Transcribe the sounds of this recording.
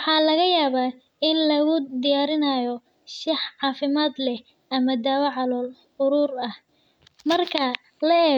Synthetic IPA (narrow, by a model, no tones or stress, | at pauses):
ħɑːlɐɣɐjaːβaː | ɪnlɐɣʊd̪ɪjaːɾɪnajɔ | ʃɪħʕɑːfɪmaːd̪lɛh | ɐmɐd̪aːwɐʕɑlɔːl | ʊɾuːrɐh | mɐrkʰɐ | lɐɛː